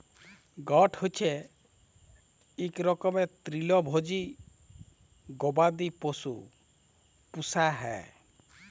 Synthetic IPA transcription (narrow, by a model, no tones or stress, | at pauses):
ɡɔʈʰhot͡ʃʰe | ekɾɔkɔmet̪ɾilɔbʱod͡ʒi | ɡɔbad̪iposṵ | pusaɦɛ̰